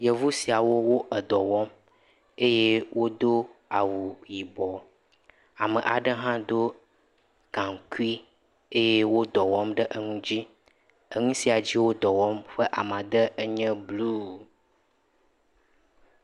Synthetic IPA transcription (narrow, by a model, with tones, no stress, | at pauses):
jɛ˨vu˦si˨a˨wo˦wo˦ʔə˨d̪ɔ˨wɔ˦m | e˦je˦wo˦d̪o˦a˨wu˨ji˨bɔ˨ | a˨mə˨ʔa˨ɖə˦ɦã˦d̪o˦ | kã˨ŋ˨ku˦i˦ | e˦je˦wo˦d̪ɔ˨wɔ˦mɖə˦ʔə˦ŋũ˦d͡ʑi˦ | ə˦ŋũ˦si˦a˨d͡ʑi˦wo˦d̪ɔ˨wɔ˦mɸə˦ʔa˨mã˨d̪ə˦ə˦ɲɛ̃˦blu˦